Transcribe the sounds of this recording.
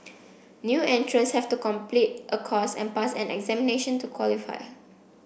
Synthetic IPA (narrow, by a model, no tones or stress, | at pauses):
njuɛ̃ntʰɹə̃nshɛftukɔ̃mplit̚ʔəkʰɔsɛ̰̃npasɛ̰̃nɛ̰ɡzɛmineʃə̃ntukʰwɔlifa̰ɪ